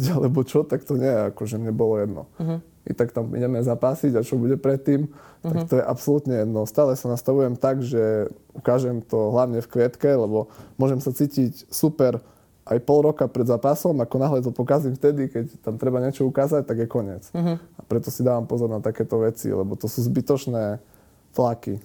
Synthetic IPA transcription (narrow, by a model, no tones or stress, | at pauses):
alɛbɔt͡ʃɔt̪akt̪ɔɲɛjɛakɔʒɛmɲɛbɔlɔjɛd̪nɔ̰ | ḭt̪akt̪amḭɲɛmɛzapaːsiɟat͡ʃɔbuɟɛpɾɛt̪ːiːmt̪akt̪ɔjɛʔapsɔlut̪ɲɛjɛd̪nɔst̪aːlɛsanast̪aʋujɛmt̪aɡʒɛ | ukaːʒɛmt̪ɔɦlaʊɲɛfkʋɪɛt̪kɛlɛbɔmʊɔʒɛmsat͡siːcicsupɛɾ | ʔajpɔlɾɔkapɾɛd̪zaːpasɔmakɔnaɦlɛt̪ɔpɔkazimft̪ɛd̪ikɛct̪amt̪ɾɛbaɲɪɛt͡ʃɔukaːzac̚t̪aɡjɛkɔɲɪɛt͡sapɾɛt̪ɔsid̪aːʋampɔzɔɾnat̪akɛːt̪ɔʋɛt͡sḭlɛ̰bɔt̪ɔsuːzbit̪ɔt͡ʃnɛː | t̪lakḭ